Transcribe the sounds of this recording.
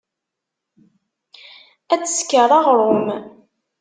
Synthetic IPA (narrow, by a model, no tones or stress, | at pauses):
æt͡sːə̥skəɾˤɑʁəɾˤom